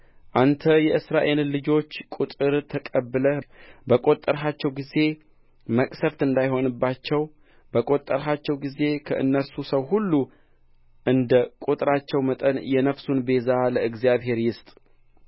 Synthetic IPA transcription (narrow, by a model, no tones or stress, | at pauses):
ʔant̪ʰəjɛɨsɾaʔe̞llɨd͡ʒo̞t͡ʃːkʼut̪ʼɨɾt̪ʰəkʼəbːɨləbəkʼo̞t̪ʼːəɾɦat͡ʃːɛwɡize̞ | məkʼsəft̪ɨnd̪ajho̞nɨbːat͡ʃːɛw | bəkʼo̞t̪ʼːəɾɦat͡ʃːɛwɡize̞kʰəʔɨ̰nːəɾsusəwɦulːu | ʔɨnd̪əkʼut̪ʼɨɾat͡ʃːɛwmət̪ʼənjɛnəfsunbe̞zaləɨɡzijaβɦe̞ɾjɪst̪ʼ